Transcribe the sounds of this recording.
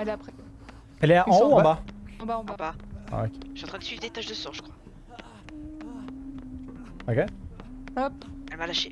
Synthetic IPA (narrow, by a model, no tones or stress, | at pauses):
ad̪apχɛ | ɛlɛaʔɑ̃ɔ̃ɑ̃baɑ̃baɑ̃bbaa̰okʲe̥ʃyɑ̃t̪χɛ̃d̪əsɥivd̪et̪aʒd̪əsɔ̃ʒəkχwa | okʲe | ɔpɛlmalaʃe